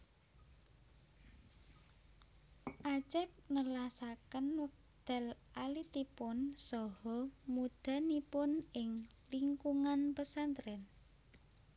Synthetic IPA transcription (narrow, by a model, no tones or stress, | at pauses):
ʔat͡ʃɛp̚nəlasakənwək̚d̪̥ɛ̤lʔalit̪ipʊnsɔhɔmud̪̥a̤nipʊnɪŋ | liŋkuŋanpəsant̪ɾɛn